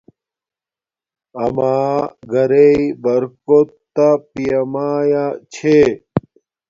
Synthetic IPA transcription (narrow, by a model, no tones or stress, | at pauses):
ɐmaːɡɐɾeibɐɾkot̪ː | apijɐmaːjat͡ɕʰe